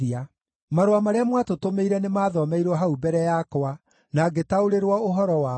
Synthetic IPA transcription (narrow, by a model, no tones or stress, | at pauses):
ia | maɾoamaɾeamwatotomeiɾɛnemaːðɔmɛiɾwɔɦaubɛɾɛjakoa | naɡetaoɾeɾwɔoɦɔɾɔwa